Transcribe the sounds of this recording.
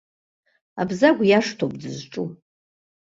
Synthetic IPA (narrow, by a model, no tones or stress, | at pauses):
abzaɡʷjaʂtʰobʼdɨzʈ͡ʂʼu